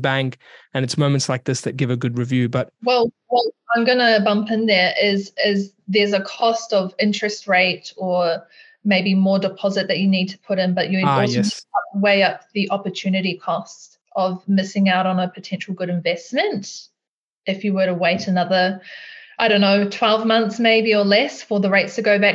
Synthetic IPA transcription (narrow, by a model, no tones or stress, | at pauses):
bæ̃ŋkɨ̃nɨtsmõʊ̃mɨ̃ntslaɪk̚ðɪsðɨt̚ɡ̥ɪvɨɡʊd̚ɹɨvjʉbʌt̚wɛlˠwɛlãɪ̃mɡʌnəbʌ̃mpɪ̃nðə˞ʔɪzɪzðə˞zəkʰɔstʌvɪ̃nt͡ʃɹ̥ɨst̚ɹeɪɾə˞ | meɪbimɔɹdɨpʰɑzɨt̪̚ðɨt͡ʃɨnid̚tʰə̥pʰʊɾɨ̃nbʌt͡ʃɨɨaweɪʌp̚ðiʔɑpə˞tʰʉnɨɾikʰɔst | ʔʌvmɪsɪ̃ŋaʊɾn̩əpʰɨtʰɛ̃nʃl̩ˠɡʊɾɨ̃ɱvɛsmɨ̃nt | ɨfjɨwə˞ɾəweɪɾɨnʌðə˞aɪɾõʊ̃nːoʊtʰw̥ɛlˠvmʌ̃nθsmeɪbiə˞lɛsfə˞ðəɹeɪtstʰɨɡoʊbæk̚